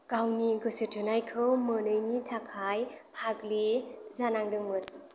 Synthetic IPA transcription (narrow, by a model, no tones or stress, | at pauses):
kawniɡɯsɯtʰɯnajkʰɯmɯnɯjnitʰakʰajpʰaklizanaŋdɯŋmɯt̚